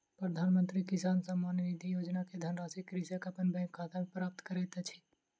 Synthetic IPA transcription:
pɾəd̪ʱaːnmə̃nt̪ɾikɪsaːnsəmːaːnnid̪ʱijoːd͡ʒnaked̪ʱənɾaːsikɾisekɐpənbɛ̃ŋkʰːat̪ʰamẽpɾaːp̚t̪kəɾɛːt̪et͡ʃʰi̥

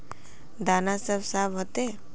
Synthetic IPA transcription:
d̪aːnasəbsaːbɦot̪e

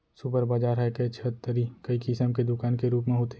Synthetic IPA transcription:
supəɾbaːd͡ʒaːɾɦɛket͡ʃʰət̪ːəɾikəikɪsəmked̪ʊkaːnkeɾuːp̬mẽɦoːt̪e

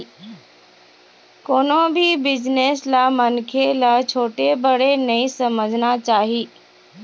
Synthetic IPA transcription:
koːnõbʱibɪd͡ʑneslaːmɐnkʰelat͡ɕʰoːʈebɐɽ̤enɐĩsɐməd͡ʑʱnat͡ɕaːɦiː

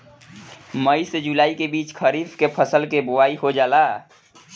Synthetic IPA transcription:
məised͡ʒulaːikebiːt͡ʃkʰəɾiːfkepʰəsəlkebʊaːiɦod͡ʒaːlaː

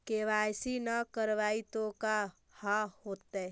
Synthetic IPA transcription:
keʋajsinəkəɾʋaːit̪oka | hãhoːt̪ːe

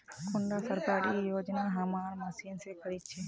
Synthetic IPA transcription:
kʊɳɖaːsəɾkaːɾijoːd͡ʒnaːɦɐmaːɾmɐsiːnsekəɽit͡ʃʰe

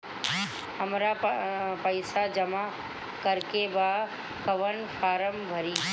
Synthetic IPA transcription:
əmɾapəɪsad͡ʒɐma | kəɾkeba | kəʋənfʰaːɾəmbʱəɾiː

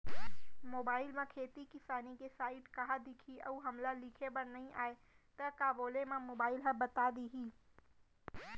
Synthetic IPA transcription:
moːbaːɪlmẽkʰeːt̪ikɪsaːnikesaːɪʈkɐɦad̪ɪkʰiʔəuɦɐmlalikʰebəɾnɐɦĩʔaːe | t̪əkaːboːlemẽmoːbaːɪlɦə̃bət̪ad̪iɦi

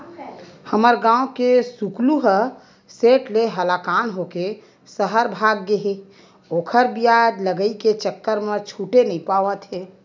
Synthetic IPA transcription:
həməɾɡãːokesukluɦə | seːʈleɦəlakanɦoke | səɦəɾbʱaːɡːəɦe | oːkʰəɾbijad̪ləɡəiket͡ʃəkːəɾmẽt͡ʃʰuːʈenəĩpaʋət̪ɦeː

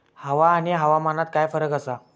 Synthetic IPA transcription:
həʋaːɽ̃iɦəʋamanat̪̚kajfəɾəkəsa

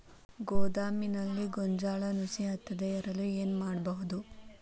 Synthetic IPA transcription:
ɡɔːd̪aːminɐlːiɡɔɲd͡ʒaːɭɐnusiɐt̪ːɐd̪eɛɾɐlue̞ːnmaːɽbɐɦud̪u

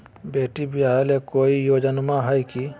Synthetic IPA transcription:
beːʈibiaelekoːijoːd͡ʒənmãɦəjki

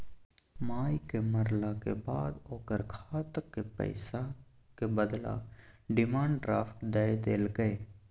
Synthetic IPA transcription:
maːjkeməɾlakḛbaːd̪oːkəɾkʰaːt̪əkːepə̰ɪsa | kebəd̪la̰ɖɪmãːɳɖʈɾaːpʰɪ̥kd̪əed̪eːlɡəeː

